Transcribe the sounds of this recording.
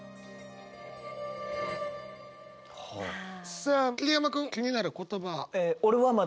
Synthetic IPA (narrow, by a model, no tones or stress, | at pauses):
sakʲilʲiamakɯ̃ŋkʲiɲ̟inaɾɯ̟ko̞t̪o̞baeoɾeβama